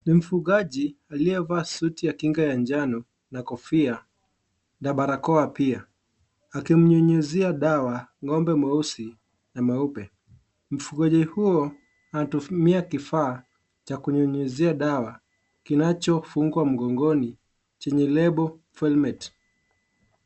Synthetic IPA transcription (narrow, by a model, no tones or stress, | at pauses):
nim̩fuɠaʄialiɛvaːsutijakiŋɡajand͡ʒanɔ | nakɔfia | ndaɓaɾakɔapia | akim̩ɲɔɲuziaɗawaŋɔmbɛmausi | namaupɛ | m̩fuɠaʄihuɔ | atumiakifaː | t͡ʃakuɲɔɲuziaɗawa | kinat͡ʃɔfuŋɡwam̩ɠɔŋɡɔni | t͡ʃɛɲɛlɛɓɔ | fɛlmɛt